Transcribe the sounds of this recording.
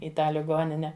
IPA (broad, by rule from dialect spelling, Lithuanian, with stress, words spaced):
ɪ ˈtɑː lʲɪˈɡoːnʲɪnʲɛ